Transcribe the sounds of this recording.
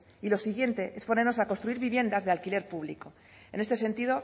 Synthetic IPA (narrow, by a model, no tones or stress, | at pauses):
ilo̞siɣ̞je̞nt̪e̞ʔe̞spo̞ne̞ɾno̞sako̞nst̪ɾuiɾβiβje̞nd̪azðe̞alkile̞ɾpuβ̞liko̞ | e̞nest̪e̞se̞nt̪iðo̞